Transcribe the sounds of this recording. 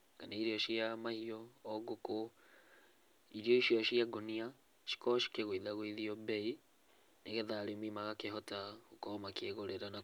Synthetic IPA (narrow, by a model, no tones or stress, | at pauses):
kanaiɾiɔʃiamahiɔɔɡoko | iɾiɔiʃiɔʃiaɡonia | ʃi̥kɔʃi̥keɣwiðaɣwiðiɔbɛi | neɣɛðaɾemimaɣakeɦɔtaɣukɔmakeɣoɾeɾana